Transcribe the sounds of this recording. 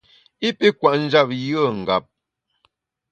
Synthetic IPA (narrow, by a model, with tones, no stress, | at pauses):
i˦pi˦kwa˨ʔn̩˦d͡ʒa˦˨p̚jə˦˨ŋ̩˨ɡa˨p̚